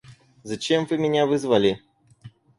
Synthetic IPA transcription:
zɐt͡ɕemvɨmʲɪnʲavɨzvɐlʲɪ

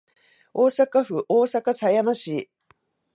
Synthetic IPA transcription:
o̞ːsakaɸɯ̟ʔoːsakasajamaɕi

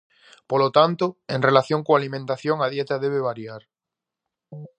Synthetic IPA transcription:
polot̪ant̪oẽŋrelaθjoŋkoalimẽnt̪aθjoŋað̞jet̪aðeβeβ̞aɾjaɾ

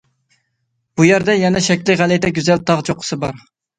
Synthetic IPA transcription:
b̥ujæɾd̪ɛjɛnɛʃɛkʲlɪʁælɪt̪ɛɡʲyzɛlt̪ʰɑʁt͡ʃʰoqʰːə̥sɨbɑɾ

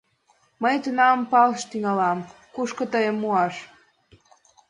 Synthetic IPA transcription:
məjt̪unɑmpɑlʃt̪yŋɑlɑm | kuʃkɤ̆t̪əjəmːuɑʃ

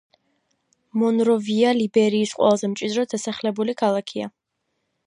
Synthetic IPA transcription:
mɔnɾɔvialibɛɾiːsqʼwɛ̰lˠazɛmt͡ʃʼid̪ɾɔd̪asaχlɛbulikʰalˠakʰia̰

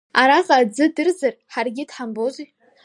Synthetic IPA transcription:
aɾaqʼad͡zɨdɨrzɨrħarɡʲɪdħambozi

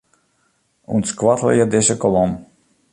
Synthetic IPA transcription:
ṵnskvat̪lˠa̰jad̪eʃakɔlˠɔm

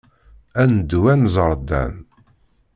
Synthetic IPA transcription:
ænd̪uwænzˤəɾˤd̪æ̰n

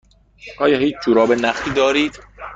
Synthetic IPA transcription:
ʔɒːjɒːɦiːt͡ʃʰd͡ʒuːɾɒːbenæχt̪ʰiːd̪ɒːɾiːd̪̥

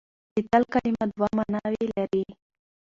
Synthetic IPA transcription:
bit̪alkalimad̪wamanɑwelaɾi

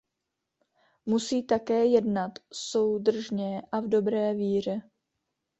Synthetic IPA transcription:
musiːt̪akɛːjɛdnat̪so̞wdr̩ʒɲɛʔavdo̞bɾɛːviːr̝ɛ

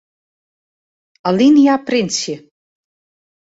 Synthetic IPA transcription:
alinjaprinsi

